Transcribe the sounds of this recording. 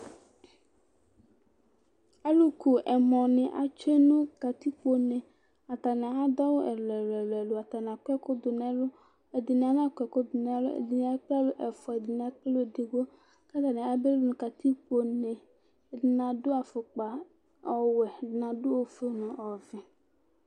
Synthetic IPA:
a˦lu˦ku˨ʔɛ˨mɔ̃˨nɪ̃˨ʔa̰˨t͡ʃe˦nũ˦ka˨t̪i˦k͡po˦nɛ̃˨ | a˨t̪a˨nɛ̃˨a˦d̪ɔ˦wo˦ʔɛ˨lɛ˨lɛ˨lɛ˨lo˨a˨t̪a˨n˨a˨kɛ˦kʊ˦d̪ʊ˨nɛ̃˨lʊ˦ | e˨dɪ˨nɪ̃˨a˨nã˦kʷɛ˨kʊ˦d̪ʊ˨nɛ̃˨˦lʊ̰˦ḛ˨dɪ˨nɪ̃˨a˦k͡pa˦lʊ˦ʔɛ˨fɔ˨e˨dɪ˨nɪ˨a˨k͡pe˦lo˦˨di˨ɡo˦ | ka˦t̪a˨nɛ̃˨a˨be˦lnũ˦ka˨t̪i˦k͡po˨nɛ̃˨ | dɪ˨nã˨dʊ˦a˨fʊ˨k͡pa˨ | ɔ˨wɛ˨dɪ˨nã˨dʊ˦wo˨fe˦nʊ̃˨ʔɔ˨vɪ̃˨

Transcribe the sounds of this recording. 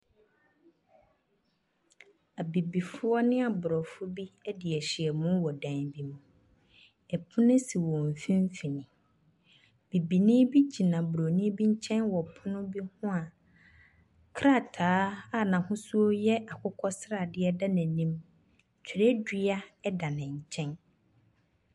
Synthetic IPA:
a˨bi˨bi˨fʊ˦ɔ˦nɪ̃˦a˨bʊ˨ɾɔ˨fʊ˦bi˦ɛ˦dɪ˨ɛ˨ɕi˨ɛ˨mũ˦wɔ˨dã˨nbi˨mũ˨ | ɛ˨pʰʊ̃˦nɪ̃˦si˨wɔ̃˨m̩˨fĩ˦m̩˦fi˨nɪ̃˨ | b̥i˨bi˨nĩ˦bi˦d͡ʑʰi˨nã˨bʊ˨ɾo˨nĩ˦bi˦ɲ̩˦t͡ɕʰɛ̃˦nwɔ˨pʰʊ˦nʊ̃˦bi˦hʊ̃˦a˨ | kʰɾa˦˨tʰaː˨˦a˦˨nã˨hʊ̃˦su˦o˦jɛ˦a˨kʰʊ˦kʰɔ˦sɾa˨dɪ˦ɛ˦da˦næ̃˨nĩ˦m˨ | t͡ɕʰᶣɪ˨ɾɛ˦di˦a˦ɛ˦da˨nɪ̃˨ɲ̩˨t͡ɕʰɛ̃˦n

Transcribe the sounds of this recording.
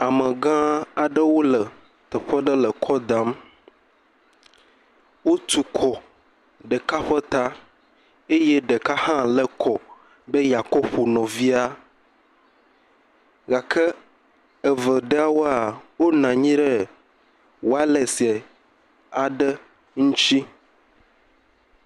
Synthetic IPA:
a˨mə̃˨ɡã˦a˨ɖə˦wo˦lə˨ | t̪ə˨ɸə˦ɖə˦lə˨kʰɔ˦d̪ã˦m | wo˦t̪u˦kʰɔ˨ | ɖə˨ka˦ɸə˦t̪a˦ | e˦jɛ˦ɖə˨ka˦hã˦lə˦kʰɔ˨ | be˦ja˨kɔ˦ɸo˨nɔ̃˨vi˦a˦ | ɡa˨kʰə˦ | ɛ˨və˨ɖə˦a˦wo˦a˨wo˦nã˨ɲĩ˦ɖə˦ | wo˦a˦lɛ˨si˨ɛ˨ | a˨ɖə˦ | ŋũ˦t͡ʃi˦

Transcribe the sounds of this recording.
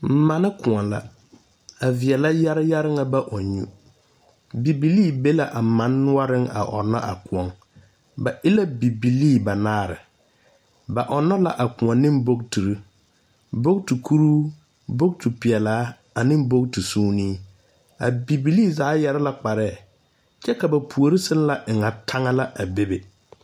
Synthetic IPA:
m̩˨ma˨nɪ˦kʊ˨ɔ˨nla̰˦ | a˨vɪ˨ɛ˨la˦ja˦ɾɪ˦ja˦ɾɪ˦ŋa˨ba˦ʔɔ˨ɲu˦ | bi˨bi˨liː˦˨be˦la˨ʔa˨mã˦nːʊ˦ɔ˦ɾɪ˦ŋa̰˨ʔɔ̰˨nːɔ̰˦ʔa˨kʊ˨ɔ˨ŋ | ba˨ʔɪ˦la˦bi˨bi˨li˦˨ba˨naː˦ɾɪ̰˨ | ba˨ʔɔ˨nːɔ˦la˨ʔa˨kʊ˨ɔ˨nːɪ̃˦m˦bo˦k̚tu˨ɾi˦ | bo˦ktu˨kʰu˦ɾuː˦ | bo˦k̚tu˨pɪ˨ɛ˨laː˨˦ | a˨nɪ̃˦m˦bo˦k̚tu˨suː˦niː˦ | a̰˨bi˨bi˨liː˦˨zaː˨˦jɛ˦ɾɪ˦la˦k͡pa˨ɾɛː˦˨ | t͡ʃɛ˦ka˨ba˨pʰu˨o˨ɾi˦sɪ˦n˦la˨ʔɪ˨ŋa˨tʰa˦ŋa˦la˦ʔa˨be˦be˨

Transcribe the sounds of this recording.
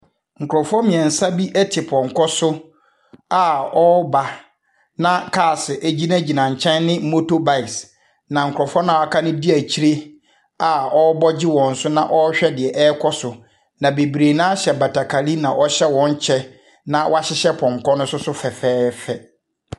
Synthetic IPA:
ŋ̩˨kʰʊ˨ɾɔ˨fɔ˦mĩ˨ɛ̃˨n̩˨sa˦bi˦ʔɛ˦tʰɪ˨pʰɔ̃˨ŋ˨kʰɔ˦sʊ˦ | a˨ɔ˦ba˨ | nã˦kʰaː˦˨sɪ˨ʔæ˨d͡ʑi˦nã˦d͡ʑi˨nã˨ɲ̩˨t͡ɕʰɛ̃˦nːɪ̃˦m̩˦mo˦to˦ba˦˨ɪ˨s | nã˨ŋ̩˨kʰʊ˨ɔ˨fɔ˦nã˨a˨kʰa˦nʊ̃ɪ̃˦di˦æ˨t͡ɕʰi˦ɾe˦ | a˨ɔ˦bɔ˦d͡ʑɪ˦wɔ̃˨n̩˨˦sʊ˦nã˦ʔɔ˦ɕᶣɛ˦dɪ˨ɛ˨ʔɛː˦kʰɔ˦sʊ˨ | nã˨be˨bɾe˨nã˦a˦ɕɛ˨ba˨tʰa˨kʰa˨li˦nã˨ʔɔ˦ɕɛ˦wɔ̃˨ɲ˦t͡ɕʰɛ˦ | nã˨wʔa˦ɕɪ˦ɕɛ˦pʰɔ̃˨ŋ˨kʰɔ˦nʊ̃˦sʊ˦sʊ˦fɛ˨fɛː˦fɛ˨

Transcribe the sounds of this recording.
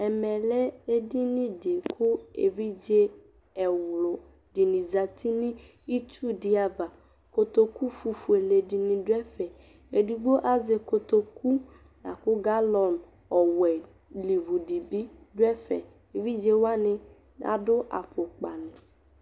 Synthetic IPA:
ɛ˨mɛ˨lɛ˦e˦di˦nĩ˦di˨kʰʊ˦ḛ˨vi˦d͡ʒe˦ | ɛ˨wlo˨ | di˨nĩ˨za˨t̪ʰi˦nĩ˦ | i˦t͡ʃu˦di˨˦a˨va˨ | ko˨t̪o˨ku˦fu˨fu˨e˨le˨di˨nĩ˨dʊ˦ɛ˦fɛ˨ | e˨di˨ɡ͡bo˦ʔa˦ze˨ko˨t̪o˨ku˦ | na̰˨kʊ˦ɡa˦lɔ˨n | ɔ˨wɛ˨ | li˨vu˨di˨bi˦dʊ˦ɛ˦fɛ̰˨ | e˨vi˦d͡ʒe˦wa˦nɪ̃˦ | na̰˨dʊ˦ʔa̰˨fo˨k͡pa˨nʊ̃˨

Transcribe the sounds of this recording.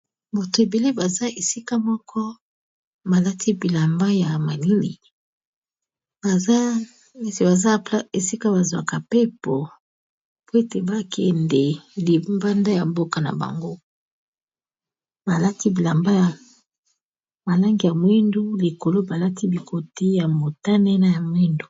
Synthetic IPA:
bo˨to˨e˨be˨le˦ba˨za˦e˨si˦ka˦mɔ˦kʰɔ˦ | ba˨la˦tʰi˦bi˨la˨mba˦ja˨ma˨li˦ni˨ | ba˨za˦˨ | si˨ba˨za˦pe˨si˦ka˦ba˨zwa˨ka˨pe˦pɔ˨ | po˦e˦te˨ba˦kʰɛ˨ndɛ˨li˨mba˦nda˦ja˨mbo˦ka˦na̰˨ba̰˨ŋɡo˦ | ba˨la˦ti˦bi˨la˨mba˦ja˨ | ma˨la˦ŋɡi˨ja˨mwi˦ndu˦li˨ko˨lo˦ba˨la˦tʰi˦bi˨kʰo˨ti˦ja˨mo˨ta˦nɛ˦na˦ja˨mwi˦ndu˨

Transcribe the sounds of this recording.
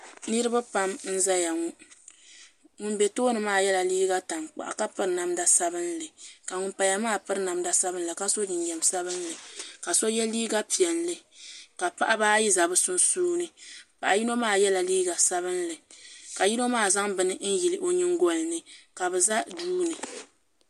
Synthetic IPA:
nɨ˦ɾɨ˦ba˦pa˦mn̩˦za˦ja˨ŋu˦ | ŋu˦n˦bɛ˨toː˦nɨ˨maː˦˨jɛ˦la˨liː˦ɡa˦ta˨ŋk͡pa̰˨ʔa̰˨ka˦pɨ˦ɾna˦mda˨sa˦bɨ˦nlɨ˨ka˨ŋʊ˨npa˨ja˦maː˦pɨ˦ɾna˨mda˦sa˦bɨ˦n̩˦lɨ˨ka˦so˦nɨ˨n˨jɛ˨msa˦βɨ˦nlɨ˨ka˨so˦jɛ˦liː˦ɡa˦pi˨ɛ˨nlɨ˨ka˨pa˦ʔa˦baː˦ji˦za˨bɨ˦sʊ˦nsuː˦nɨ˨pa˨ʔa˨ji˦no˦maː˦˨jɛ˦la˨liː˦ɡa˨sa˦βɨ˦nlɨ˨ka˨ji˦no˦maː˦˨za˦ŋbɨ˨nɨ˦n̩˦ji˨lɨ˨ʔo˦ɲɨ˦ŋ˦ɡo˦lɨ˨nɨ˨ka˨bɨ˨za˦duː˦nɨ˨

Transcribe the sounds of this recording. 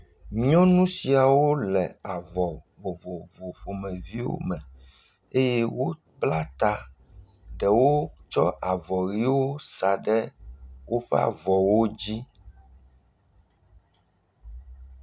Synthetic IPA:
ɲɲɔ̃˦nũ˦si˨a˨wo˦lɛ˨a˨vɔ˨vo˨vo˨vo˨ɸo˨mɛ̃˨vi˦wo̰˦mɛ̃˨ | e˦je˦wo˦ | bla˦t̪a˨ | ɖɛ˨wo˦t͡ʃɔ˦ʔa˨vɔ˨ɣi˦wo˦sa˨ɖɛ˦wo˦ɸɛ̰˦a̰˨vɔ˨wo˦d͡ʑi˦

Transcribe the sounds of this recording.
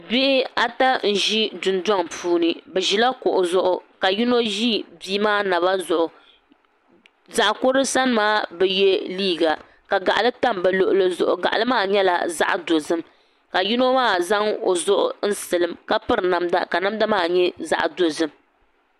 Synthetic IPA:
bɪ˦ʔɪ˦a˦ta˦n̩˨ʒi˦dʊ˨nda˦ŋpuː˦nɨ˨bɛ˨ʒi˨la˦kʊ˨ʔʊ˨zʊ˦ʔʊ˦ka˨ji˦no˦ʒi˦biː˦maː˦na˨βa˦zʊ˨ʔʊ˨ | za˨ʔko˦ɾɨ˦sa˦n˦maː˦bɛ˨jɛ˦liː˦ɡa˨ | ka˨ɡa˨ʔa˨lɨ˦ta˦mbɛ˨lo˨ʔʊ˨lɨ˦zʊ̰˨ʔʊ˨ɡa˨ʔa˨lɨ˦maː˦˨ɲɛ˦la̰˨za̰˦ʔdo˨zɨ˦m | ka˨ji˦no˦maː˦˨za˦ŋo̰˨zʊ˦ʔʊ̰˦n̩˦sɨ˨lɨ˨mka˦pɨ˦ɾna˦mda̰˦ka˨na˦mda˦maː˦˨ɲɛ˦za̰˦˨ʔdo˨zɨ˦m

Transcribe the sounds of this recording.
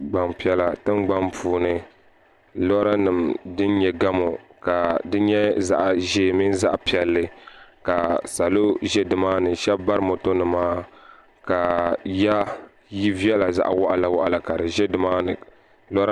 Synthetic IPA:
ɡ͡ba˨mpi˦ɛ˦la˨tɨ˦nɡ͡ba˦mpʰuː˨nɨ˨ | lɔ˦ɾa˦nɨ˨mdɨ˦n˦ɲɛ˦ɡa˦mo˨ka˨dɨ˦ɲɛ˦za̰˨ʔa˨ʒeː˨mi˦n˦za˦ʔpi˨ɛ˨lːɨ˦ka˨sa˨lo˦ʒɛ˦dɨ˨maː˦nɨ˨ʃɛ˦bba˦ɾɨ˦mo˨to˦nɨ˨maː˦ | ka˨ja˦ | ji˦vi˦ɛ˦la˨za̰˦ʔa̰˨wɔ˦ʔa˦la˨wa˦ʔa˨la˨ka˨dɨ˨ʒɛ˦dɨ˨maː˦nɨ˨ | lɔ˦ɾ

